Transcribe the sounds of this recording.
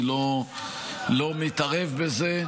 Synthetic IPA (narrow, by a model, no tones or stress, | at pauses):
lo | lo̞mit̪aʁe̞vbeze